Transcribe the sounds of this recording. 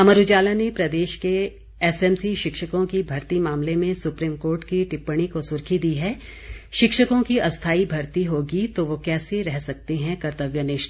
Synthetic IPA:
ɐməɾud͡ʒaːlənepɾɐd̪eːʃke | ɛsɛːmsiʃɪkʃəkõkibʱɐɾt̪imaːmlemẽsʊpɾiːmkoːɾʈkiʈɪpːəɽ̃ikosʊɾkʰid̪iːɦɛː | ʃɪkʃəkõkiɐst̪ʰaːibʱɐɾt̪iɦoːɡit̪oʋokɛːseɾɛɦsɐk̚t̪eɦɛ̃kɐɾt̪əʋjənɪʃʈ

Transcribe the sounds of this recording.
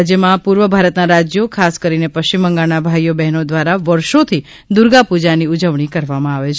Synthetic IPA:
d͡ʒjəmãpuɾʋəbʱaɾət̪naɾad͡ʒjokʰaskəɾinepəʃt͡ʃimːəŋɡaɽñabʱajjobɛɦnod̪ʋaɾaʋəɾʃot̪ʰi | d̪uɾɡapud͡ʒaniud͡ʒəʋɳ̃ikəɾʋamãaʋet͡ʃʰ

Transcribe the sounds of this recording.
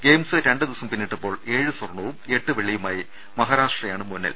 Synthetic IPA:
ɡejmsɨɾeɳɖɨd̪usɐmpinːiʈːɐpːo̞ːɭe̞ːɻɨsorɐɳɐːʋume̞ʈːɨʋeɭijumaːji | mɐɦaːɾaːʂʈrɐjaːɳɨmunːɐ̰l

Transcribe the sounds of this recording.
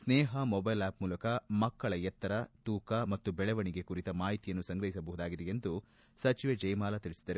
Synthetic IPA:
sneːɦɐmɔbɐjlaːp̚muːlɐkɐmɐkːɐɭɐjɛt̪ːɐɾɐt̪uːkɐmɐt̪ːubɛɭɛʋɐɳiɡe̞kuɾit̪ɐmaːɦit̪ijɐnːusɐŋɡɾɐɦisɐbɐɦud̪aːɡid̪ejend̪u | sɐt͡ʃiʋed͡ʒɐjmaːlɐt̪iɭisid̪ɐɾe

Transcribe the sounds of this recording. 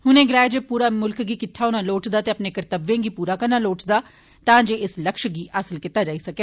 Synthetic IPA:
hʊnẽːɡɪlaːed͡ʒeːpuːɾaːmʊlkɡiːkɪʈʰːaːʊnãːloːʈd̪aːt̪eːəpneːkəɾt̪əbːẽːɡiːpuːɾaːkəɾnaːloːʈd̪aː | t̪ãːd͡ʒeːɪsləkʃɡiːʔəsəlkit̪ːaːd͡ʒaːiːsəkeː

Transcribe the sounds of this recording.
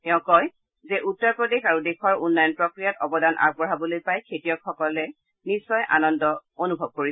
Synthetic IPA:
tɛɔʊ̃kɔj | zɛʔutːɔɹpɹodexaɹudekʰɔɹunːɔjɔnpɹɔkɹijatɔbɔdanʔa̰ɡ̚bɔɹabɔlojpajkʰetijɔkxɔkɔlɛ | nisɔjʔa̰nɔndɔonubʱɔb̚koɹiɛ

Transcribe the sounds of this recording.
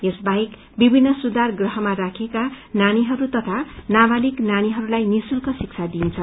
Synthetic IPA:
esbaik | bibʱinːʌsud̪arɡrʌɦʌmarakʰekananiɦʌɾut̪ʌt̪ʰanabaliknaniɦʌɾulajnisulkʌsik̚t͡sʰad̪int͡sʰʌ

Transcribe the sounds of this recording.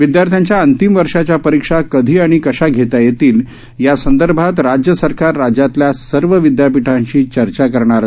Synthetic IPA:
ʋid̪jaɾt̪ʰjaɲt͡ɕjaənt̪imʋəɾʂat͡ɕjapəɾikʂakəd̪ʱiːaɽ̃ikəɕaɡʱet̪ajet̪iːl | jasənd̪əɾbʱat̪ɾad͡ʑjəsəɾkaɾːad͡ʑat̪ljasəɾʋəʋid̪japiʈʰãɲt͡ɕiːt͡ɕəɾt͡ɕakəɾɳ̃a

